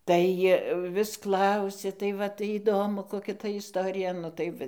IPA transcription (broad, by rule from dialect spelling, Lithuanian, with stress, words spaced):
ˈtɐɪ ʋʲɪs ˈklˠɐʊsʲɛ tɐɪ ˈʋɐ tɐɪ iːˈdoːmʊ koːˈkʲɛ tɐ ɪsˈtoːrʲɪjɛ ˈtɐɪ ʋɐ